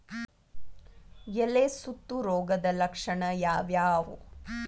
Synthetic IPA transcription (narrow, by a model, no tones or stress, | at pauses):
jeleːsut̪ːuɾoːɡɐd̪ɐlɐkʂɐɳɐjaːʋjaːʋu